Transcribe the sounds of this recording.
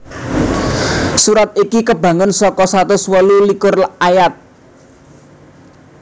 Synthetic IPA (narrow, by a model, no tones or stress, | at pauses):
suɾat̪̚ikikəba̤ŋʊnsɔkɔsat̪ʊswəlulikʊrajat̪̚